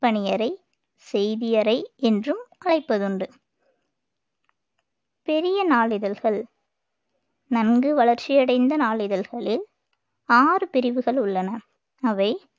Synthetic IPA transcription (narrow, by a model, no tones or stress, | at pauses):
pɐɳɪjɐɾɐɪ | sɛjðɪjɐɾɐɪɛndrɯmʔɐɭɐɪpːɐðɯɳɖɯ | pɛɾɪjɐnaːɭɪðɐlɣɐɭ | nɐnɡɯʋɐɭɐɾt͡ʃːɪjɐɽɐɪnd̪ɐnaːɭɪðɐlɣɐɭɪl | aːrɯpɪɾɪʋɯɣɐɭʊɭːɐnɐ | ɐʋɐɪ